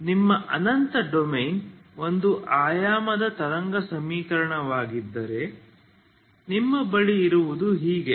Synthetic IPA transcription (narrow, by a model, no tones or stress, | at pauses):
nimːɐʔɐnɐnt̪ɐɖomejno̞nd̪uʔaːjaːmɐd̪ɐt̪ɐɾɐŋɡɐsɐmiːkɐɾɐɳɐʋaːɡid̪ːɐɾe̞ | nimːɐbɐɭiːɾuʋud̪uɦiːɡe